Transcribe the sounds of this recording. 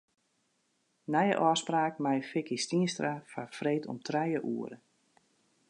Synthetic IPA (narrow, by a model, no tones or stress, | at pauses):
nɛjə̰ʔɔːspraːkmajfɪkistiənstrafafreːtʰɔ̰mtʰrɛjəʔuəɾə